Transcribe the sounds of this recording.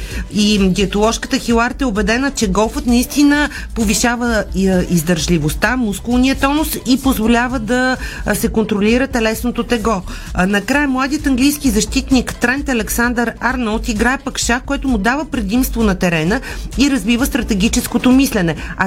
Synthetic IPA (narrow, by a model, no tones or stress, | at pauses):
iɡ̪iɐt̪olˠɔʃkət̪əxilˠaɾt̪ɛobɛd̪ɛnət͡ʃɛɡɔlˠfət̪nɐist̪inə | poviʃavəizd̪ɐɾʒlʲivost̪amuskulˠniət̪ɔnosipozvolʲavəd̪ɐsɛkont̪ɾolʲiɾət̪ɛlɛsnot̪ot̪ɛɡɔ | nɐkɾajɛmlˠad̪ijət̪ɐŋɡlijskizɐʃt̪it̪nikt̪ɾɛnt̪ɐlɛksand̪əɾaɾnəlˠt̪iɡɾaɛpəkʃakoɛt̪ʊmud̪avəpɾɛd̪imst̪vonɐt̪ɛɾɛnəiɾɐzvivəst̪ɾɐt̪ɛɡ̟ʲit͡ʃɛskot̪omislɛnɛɐ